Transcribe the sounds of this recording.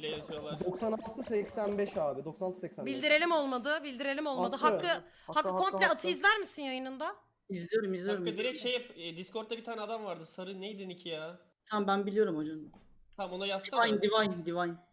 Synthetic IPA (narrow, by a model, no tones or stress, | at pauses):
lʲejet̪ʰijolˠaɾd̪oksanalˠt̪ʰɯsɛcsænbɛʃaːbid̪oksanalˠt̪ʰsɛcsænbilʲd̪iɾe̞lʲimo̞lˠmad̪ɯbilʲd̪iɾe̞lʲimolˠmad̪ɯɦaɯ | hakːɯkʰo̞mlʲɛat̪ʰɯjizlʲæɾmisinjajɯnɯnd̪a | izlʲijo̞ɾumizlʲijoɾumd̪iɾɛcʃejipɛd̪iskʰo̞ɾt̪ːabit̪ʰaːnʲɛad̪amvaɾd̪ɯsaɾɯnejd̪inicʰijaː | t̪ʰambænbilʲijo̞ɾumo̞d͡ʒan | t̪amonajasiajnd̪ivajnd̪ivajn